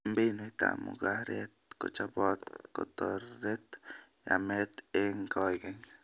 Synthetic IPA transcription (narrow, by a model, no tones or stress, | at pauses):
mbinot̪a̰ʔmṵɡahɾet̪̚ko̰t͡ʃabot̪kot̪oɾet̪ja̰met̪eŋɡojɡeŋ